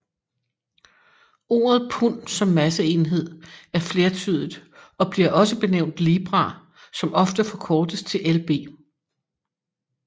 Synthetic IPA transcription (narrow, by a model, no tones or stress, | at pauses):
o̝̰ːɐð̞̩ˠpʰun̰sɒ̽mːæsəe̝nɦe̝ð̞̰ˠæɐfle̝ːɐt͡sʰy̰ð̞ˠið̥ˠɒ̽b̥liɐʔɒ̽səb̥e̝neʊ̰nd̥liːb̥ʁɑ̰̈ | sɒ̽mɒ̽fd̥əfɒ̽kʰɒːd̥əst͡sʰe̝lʔelb̥e̝̰ː